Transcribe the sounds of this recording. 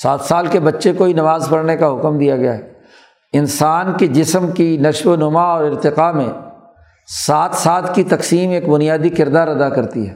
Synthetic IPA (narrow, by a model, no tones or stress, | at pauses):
saːt̪ʰsaːlkebɐtːʃekoinɐʋaːzpɐɽnekaɦʊkmd̪ijaɡɐjaɦɛː | ɪnsaːnked͡ʒɪsəmkinɐʃwonʊmaɔːɾɪɾt̪ɪqamẽ | saːt̪ʰsaːt̪kit̪ɐqsiːmeːkbʊnijaːd̪ikɪɾd̪aːɾɐd̪akɐɾt̪iɦɛː